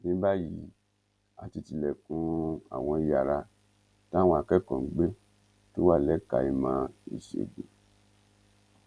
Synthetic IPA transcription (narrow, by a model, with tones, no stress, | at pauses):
nĩ˦ba˦ji˨˦ | a˨ti˧ti˧lɛ˨kũ˧a̰˨w̃ɔ̃˧i˨˧ja˨ɾa˧ | tã˦w̃ɔ̃˧˨a˧kɛ˦kɔ̃˨ŋ̩˦ɡ͡be˦ | to˦wa˦˨lɛ˨˦ka̰˧i˧mã˧˦ḭ˨ʃḛ˨dḛ˨